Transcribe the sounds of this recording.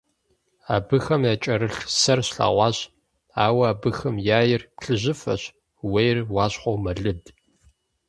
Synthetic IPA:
aːbɨxɐmjaːt͡ʃʼɐɾɨɬsɐrɕɬa̰ʁʷɑːɕ | aːwɐaːbɨxɐmjaːjɪrpɬɨʑɪfɐ̰ɕ | wejrwɑːɕχʷowmɐɮɨd

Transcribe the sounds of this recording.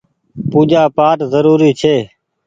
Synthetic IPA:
puːd͡ʒaːpaːʈzəɾuːɾiːt͡ʃʰeː

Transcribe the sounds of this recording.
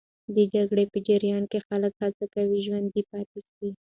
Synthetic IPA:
d̪əd͡ʒaɡɽepəd͡ʒɪɾjɑnkexaləkhat͡sakawiʒwand̪ipɑt̪esi

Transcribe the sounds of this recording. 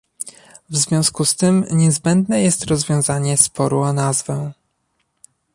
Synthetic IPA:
vzvʲjɔ̃w̃skust̪ɘmɲɛzbɛnd̪nɛjɛst̪ɾɔzvʲjɔ̃w̃zaɲɛspɔɾuanazvɛ̃

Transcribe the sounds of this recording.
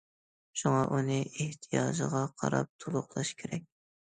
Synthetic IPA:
ʃuŋɑʔunɨeht̪ʰijɑːʒɨ̰ʁɑqʰɑ̰ɾɑp̚t̪ʰolˠʊχlˠɑʃkʲʰeɾɛk̚ʲ

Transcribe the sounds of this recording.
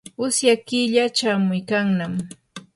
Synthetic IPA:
ʊsjakɪʎat͡ʃaːmʊjkaŋnam

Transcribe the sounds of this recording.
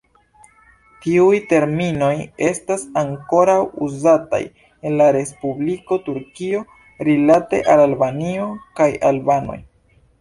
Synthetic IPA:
tiujte̞ɾmino̞je̞stasaŋko̞ɾawuzata̰j | e̞nlaɾe̞spubliko̞tuɾkio̞ | ɾilate̞̰ʔalalbanio̞kaja̰lbano̰j

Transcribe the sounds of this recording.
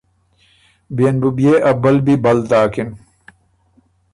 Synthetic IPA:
bijenbubijeːʔɐbɐlbibɐlt̪aːkin

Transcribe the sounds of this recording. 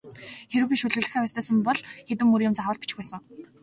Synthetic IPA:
xeɾɘ̆wpiːʃɵɮɘ̆ɣɮɘ̆xæːwæːst̪ʰœːsə̆mpɔɮxet̪ɘ̆mːuɾjʊ̆mt͡saχʊːɮt̪̚pit͡ɕɪ̥̆xpæːsə̆ŋ

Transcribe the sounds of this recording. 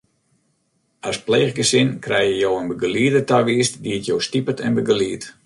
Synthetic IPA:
aspleːɣɡəsɪnkrɛjjəjoːənbəɡəliədətaʋiəstdiətjoːstipətʰɛnbəɡəliət

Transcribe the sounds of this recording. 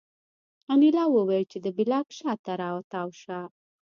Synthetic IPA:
anilɑwəwajlt͡ʃed̪əbɪlɑkʃɑt̪aɾɑwat̪ɑwʃa

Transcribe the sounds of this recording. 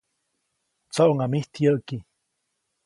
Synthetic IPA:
t͡soʔoŋamiht̪ʰjəʔki

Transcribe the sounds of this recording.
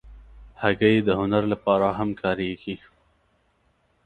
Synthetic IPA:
haɡajed̪əhʊnaɾlapɑɾaɦamkʰɑɾeɡi

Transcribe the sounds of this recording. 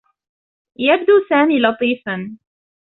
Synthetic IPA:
jab̚d̪uːsaːmiːlɑt̪ˤiːfan

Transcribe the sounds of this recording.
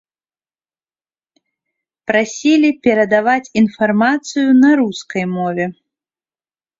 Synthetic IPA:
pɾasʲilʲipʲɛɾɐd̪avat͡sʲinfarmat̪sɨjunɐɾuskɐjmɔvʲɛ

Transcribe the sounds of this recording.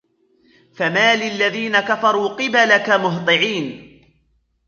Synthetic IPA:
famaːlɪlːaðiːnakafɑɾˤuːqɨbalakamʊɦt̪ˤɨʕiːn

